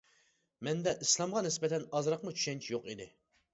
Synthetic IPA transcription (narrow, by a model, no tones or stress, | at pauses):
mɛnd̪ɛʔislˠɑmʁɑnɪsbɛt̪ʰɛnɑzɾɑqmut͡ʃʰy̥ʃɛnt͡ʃʰijoqid̪ɪ